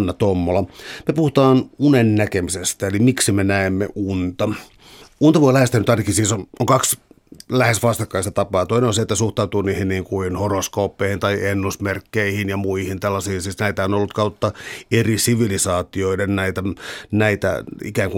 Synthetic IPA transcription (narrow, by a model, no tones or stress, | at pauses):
nːɑt̪omːolɑmepuhut̪ɑːnunennækemisest̪æelimiksimenæemːḛʔunt̪ɑ | unt̪ɑʋoilæhest̪ænyt̪ɑrkisiːsonoŋkɑks | læhesʋɑst̪ɑkːɑist̪ɑt̪ɑpɑːt̪oineonset̪ːæsuht̪ɑut̪uːniːhinniːŋkuinhoroskoːpːˑeihint̪ɑienːusmerkːeihinjɑmuihint̪ælːɑsiːnsiːsnæit̪æonolːut̪kɑut̪ːɑerisiʋilisɑːt̪ioidennæit̪ænæit̪æ̰ḭkæːŋku